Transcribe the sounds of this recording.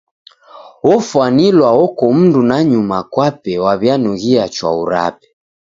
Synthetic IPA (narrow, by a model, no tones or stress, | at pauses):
ɔfwanilwaɔkɔm̩ndunaɲumakwapɛwaβjanuɣiat͡ʃwa̰uɾa̰pɛ̥